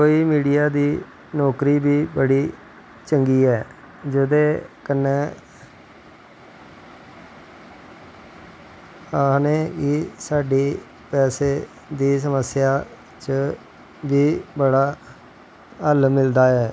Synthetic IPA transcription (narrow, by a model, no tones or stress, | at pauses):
koːiːmiːɖijaːd̪iː | nɔːkɾiːbiːbəɽiː | t͡ʃəŋɡiːɛː | d͡ʒəd̪eːkənːeː | aneːkisaːɖiː | pɛːseː | d̪iːs̬əməsɪjaː | t͡ʃə | biːbəɽaː | əlmɪld̪aːɛː